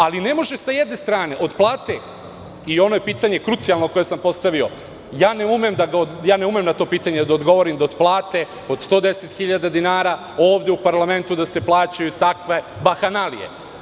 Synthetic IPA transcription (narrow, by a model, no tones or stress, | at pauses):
aline̞mo̞ʒesajed̪ne̞st̪ɾaːne̞ʔo̞d̪plˠaːt̪e | io̞no̞je̞piːt̪aɲe̞kɾut̪sijalˠnoko̞je̞sampo̞st̪aʋio̞ | jaːneumemd̪aɡaojaːne̞umemnat̪o̞piːt̪aɲe̞d̪aod̪ɡo̞ʋo̞ɾimd̪aod̪plˠaːt̪e̞ | o̞d̪st̪o̞ːd̪e̞set̪xiʎad̪ad̪inaːɾa | o̞ːʋd̪eupaɾlˠame̞nt̪ud̪ase̞plˠaːt͡ɕajut̪akʋe̞ | baxanalḭjḛ